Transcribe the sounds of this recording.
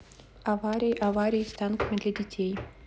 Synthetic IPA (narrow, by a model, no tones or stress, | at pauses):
avaɾʲɪjʔavaɾʲɪjst̪ankəmʲɪd̪lʲadʲɪtʲej